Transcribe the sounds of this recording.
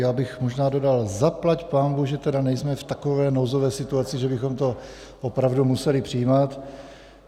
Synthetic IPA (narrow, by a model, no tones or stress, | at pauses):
jaːbɪxmoʒnaːdo̞dalzaplacpaːnbuːɣʒɛt̪ɛdanɛjsmɛft̪ako̞vɛːnozovɛːsɪt̪uat͡sɪʒɛbɪxomt̪o̞ | ʔopɾavdumusɛlɪpr̝̥ijːmat̪